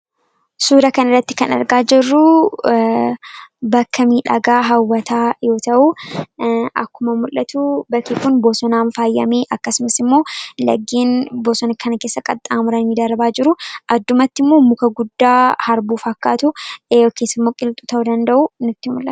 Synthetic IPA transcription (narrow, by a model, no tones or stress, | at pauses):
suːɾɐkɐnɐrːɐt̪ːɪ̥kɐnɐ̰ɾɡaːd͡ʒɪrːʊ | bɐkːɐmiːᶑɐ̰ɡaːɦɐwːɐt̪aːjo̞ːt̪ɐʔu | ʔɐ̰kːʊmɐmʊlːɐt̪ubɐkːikʊnboːsɔnaːnfaːjːɐ̰meːʔɐkːɐsʊmɐsɪmːo̞ːlɐ̰ɡːiːnboːsɔnɐkʰɐnɐkeːsːɐkʼɐt̪ʼːaːmʊɾɐniːd̪ɐɾbaːd͡ʒɪɾʊʔɐd̪ːʊmɐt̪ːɪmːoːmʊkɐɡʊd̪ːaːhɐɾbuːfɐkːaːt̪ʊjoːkeːsːɪmːo̞ːkʼɪlt̪ʼuːt̪ɐʔud̪ɐnd̪ɐʔunʊt̪ːɪmʊ̰lʔɐt̪